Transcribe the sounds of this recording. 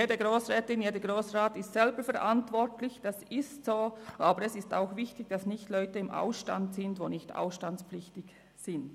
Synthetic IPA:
jeːdəɡʁoːsʁɛːtɪnjeːdəɡʁoːsʁaːtɪstsɛlbəfɛʁʔantvɔʁtlɪçd̥asɪstsoːʔaːbəɾɛsɪsta̰ʊxvɪçtɪɡd̥asnɪçtlɔʏtəɪmʔa̰ʊsʃta̰ntsɪndvoːnɪçta̰ʊsʃtant͡spflɪçtɪç | z̥ɪnd

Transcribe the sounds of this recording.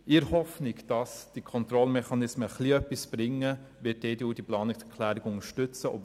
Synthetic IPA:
ɪɾhɔfnɪkd̥ɑsd̥ikʰɔntɾɔlmɛχɑnɪsməχliœpːisb̥ɾɪŋːəʋɪt̚deːduːd̥iplɑːnɪksɛɾkʰlæːɾɪɡʊŋəʃtʏt͡səʔɔ̰b

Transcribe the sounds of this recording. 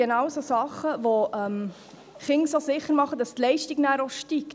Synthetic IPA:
enɑwsosɑχəʋoʔɛm | χɪŋsosɪχəɾmɑχəd̥ɑstlɛɪʃtiɡnæːɾoʃtik

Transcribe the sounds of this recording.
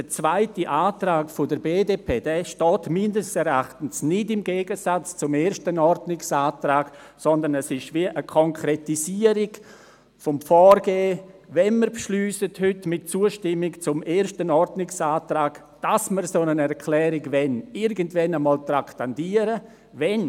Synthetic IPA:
d̥ət͡svaɪtiʔaːtraːɡfʊdəɾbeːdeːpʰeːd̥ɛːʃtɔːtmɪndəstɛɾaχtən̩snɪdɪmɡeːɡəsat͡st͡sʊmeːɾʃtənɔɾdnɪksaːtɾaːɡ̥ | sɔndənɛsɪʃviəʔəkʰɔŋkʰɾɛtisiəɾɪɡ̥ | fɔmfɔːrɡeːvɛnməɾpʃlyːsəthʏtmɪtt͡suəʃtɪmːɪkt͡sʊmeːɾʃtənɔɾdnɪksaːtɾaːɡ̥ | d̥asməɾsonənɛɾkʰlɛːɾɪɡvɛnɪɾɡəntvɛnəmɔːltraktandiːəɾə | vɛn

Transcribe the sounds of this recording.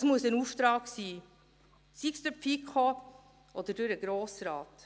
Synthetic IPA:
smuəsənuft̪ɾɑːksiː | sikstøpfikχo | ʔɔd̥̪ədʉɾəɡ̥ɾoːsɾɑːt

